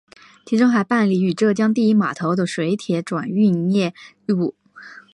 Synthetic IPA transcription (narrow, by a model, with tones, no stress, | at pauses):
t͡ɕʰi˧˥ʈ͡ʂʊ˥ŋxa˧˥ɪpa˥˩nli˧˩y˨˩ʈ͡ʂɤ˥˩t͡ɕjɑ˥ŋt̪̬i˥˧i˥ma̰˨˩t̪ʰo˧˥ʊd̪ə˨ʂwe˧˥ɪt̪ʰjɛ˧˥ʈ͡ʂwa̰˨˩ny˥˧njɛ˥˩˥ | u˨˩˦